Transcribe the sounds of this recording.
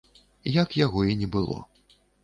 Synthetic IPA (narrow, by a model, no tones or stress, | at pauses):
jɐkjaɣɔinʲɛbɨlˠɔ̰